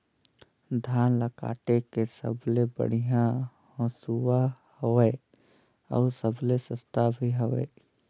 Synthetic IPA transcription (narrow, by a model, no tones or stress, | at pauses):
d̪ʱaːnləka̰ːʈekesə̰blebə̰ɽ̤ijã | hɔ̃ːsuwahoweː | ɔ̰ːsəblesəst̪abʱiɦəʋḛː